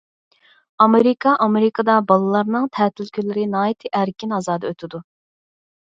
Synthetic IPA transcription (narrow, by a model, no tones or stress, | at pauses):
ɑmeɾɪkʰɑʔɑmeɾɪkʰɑd̪ɑbɑlˠɨlˠɑɾnɨŋt̪ʰɛːt̪ʰylkʲylɪɾɪnɑːjit̪ʰɨʔæɾkʲʰinɑzɑːd̪ɑøt̪ʰɪd̪u